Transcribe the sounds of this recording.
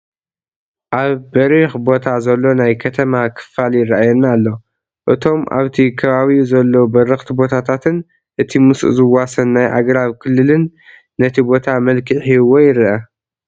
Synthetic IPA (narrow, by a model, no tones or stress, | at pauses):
ʔaβbɐɾixbo̞t̪ʰazɐlːo̞najkʰɐt̪ʰɐmakʰɨ̥faljɪrːaʔajɛnːalːo̞ | ʔɨt̪ʰo̞mʔa̰βt̪ʰikʰɐβaβiuzɐlːɐbɐɾɨxt̪ʰibo̞t̪ʰat̪ʰat̪ʰɨn | ʔɨt̪ʰimɨsṵzɨwasɐnːajʔa̰ɡɾaβkʰɨlːɨlɨnː | ɐt̪ʰibo̞t̪ʰamɐlkʰiħiwojɪɾiʔɐ